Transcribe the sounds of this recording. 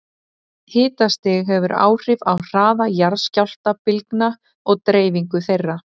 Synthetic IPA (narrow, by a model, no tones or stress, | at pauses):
hɪːt̪ast̪ɪɣɦɛvʏɾa̰ːwr̥ɪvawr̥aːðajaɾscawl̥t̪apɪlkna | ɔɣt̪ɾeːjviŋkʏθejrːa